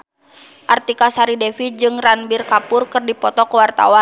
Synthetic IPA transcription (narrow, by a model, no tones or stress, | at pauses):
ʔart̪ikasaɾidɛfid͡ʒɨŋranbirkapʊrkɨrdipɔt̪ɔkəwart̪a̰wan